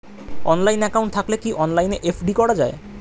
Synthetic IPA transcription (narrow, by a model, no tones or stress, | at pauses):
ɔnlajnɛkawɳʈt̪ʰaklekiʔɔnlajneʔefɖikɔɽad͡ʑa̰e